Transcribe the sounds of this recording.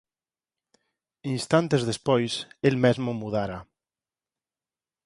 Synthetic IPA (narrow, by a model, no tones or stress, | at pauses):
inst̪ant̪ezðespojselmezmomuð̞aɾa